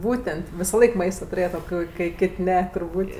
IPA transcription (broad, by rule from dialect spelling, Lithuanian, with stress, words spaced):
ˈbuːtʲɛnʲtʲ ʋʲɪsɐˈlˠɐɪk ˈmɐɪstɐ tʊˈrʲeːjɛt oː ˈkoːɪ kɐɪ ˈkʲeːtʲ ˈnʲɛ tʊrˈbuːtʲ